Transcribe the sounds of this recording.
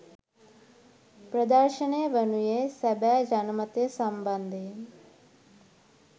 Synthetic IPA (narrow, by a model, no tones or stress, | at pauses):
pɾɐd̪əɾʃɐneʋənujesɐbɛːd͡ʒɐnɐmɐt̪jesɐmbɐnd̪ʱe